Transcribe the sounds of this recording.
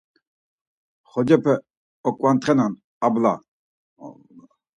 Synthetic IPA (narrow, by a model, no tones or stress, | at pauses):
χɔd͡ʒɛpʰɛ | ɔkʼwant̪ʰʼχɛnan | abla̰